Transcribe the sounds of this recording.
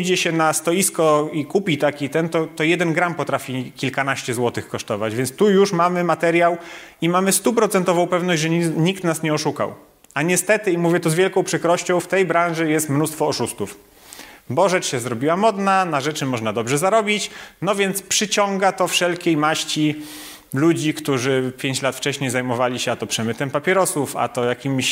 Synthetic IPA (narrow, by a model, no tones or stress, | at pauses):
d͡ʑɛɕɛnast̪ɔjiskɔikupʲit̪akʲit̪ɛnt̪ɔt̪ɔjɛd̪ɛnɡɾampɔt̪ɾafʲikʲilkanaɕt͡ɕɛzwɔt̪ɘxkɔʂt̪ɔva̰d͡ʑvʲjɛnt̪st̪ujuʂmamɘmat̪ɛɾjawimamɘst̪upɾɔt̪sɛnt̪ɔvɔ̃w̃pɛvnɔʑd͡ʑʲʐɛɲikt̪nasɲɛɔʂuka̰w | aɲɛst̪ɛt̪ɘimuvʲjɛt̪ɔzvʲjɛlkɔ̃w̃pʂɘkɾɔɕt͡ɕɔ̃w̃ft̪ɛjbɾãʐɛjɛst̪mnust̪fɔːʂust̪uf | bɔʐɛt͡ʂɕɛzɾɔbʲiwamɔd̪nanaʐɛt͡ʂɘmɔʐnad̪ɔbʐɛzaɾɔbʲit͡ɕnɔvʲjɛnt̪spʂɘt͡ɕɔŋɡat̪ɔfʂɛlkʲejmaɕt͡ɕi | lud͡ʑikt̪uʐɘpʲjeɲt͡ɕlat̪ft͡ʂɛɕɲejzajmɔvalʲiɕɛat̪ɔpʂɛmɘt̪ɛmpapʲjɛɾɔsufa̰t̪ɔjakʲimɕ